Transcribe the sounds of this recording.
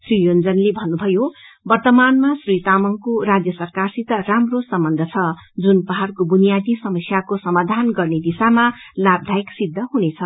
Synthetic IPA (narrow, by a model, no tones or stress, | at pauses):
srijond͡zʌnlebʱʌnːubʱʌjobʌrt̪ʌmanmasrijt̪amʌŋkoɾad͡zjʌsʌrkarsit̪ʌramrosʌmbʌnd̪ʱʌt͡sʰʌd͡zunpʌɦarkobunijad̪isʌmʌsjakosʌmad̪ʱanɡʌrned̪isamalab̚d̪ʱaiksid̪ʱːʌɦunet͡sʰʌ